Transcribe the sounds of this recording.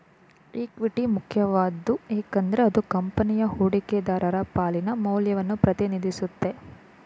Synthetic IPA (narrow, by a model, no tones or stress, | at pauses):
iːkʋiʈimukʰjɐʋaːd̪ːueːkɐnd̪ɐɾeɐd̪ukɐmpɐnijɐhuːɽiked̪aːɾɐɾɐpaːlinɐmɐwljɐʋɐnːupɾɐt̪inid̪isut̪ːe̞